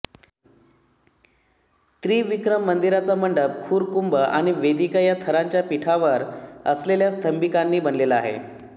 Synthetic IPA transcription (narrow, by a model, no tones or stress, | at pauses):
t̪ɾiːʋikɾəmːənd̪iɾat͡saməɳɖəp̚kʰuːɾkumbəʔaɽ̃iʋed̪ikəjat̪ʰəɾaɲt͡ɕjapiʈʰaʋəɾəsleljast̪ʰəmbikanːiːbənleləa̰ɦḛ